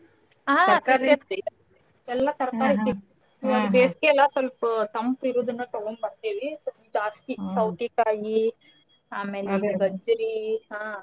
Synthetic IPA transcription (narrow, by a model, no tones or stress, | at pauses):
aːsɐɾɡɐt̪ | ɛlːat̪ɐɾɐkaːɾik̪ːi | soɐd̪ubeːskeɛlːasɐlpt̪ɐmpiɾoːd̪unːɐt̪ɐɡombɐnt̪eːʋisoid̪uɐst̪isɐwt̪ikaːji | aːmeːleɡɐd͡ʒɐɾiɦãː